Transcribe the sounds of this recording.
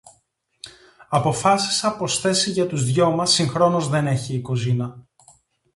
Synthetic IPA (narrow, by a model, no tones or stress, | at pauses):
ɐpo̞fɐsi̥sɐpo̞sθe̞siʝɐt̪uzðʝo̞mɐsiŋxɾo̞nuzðe̞ne̞çiːkozinɐ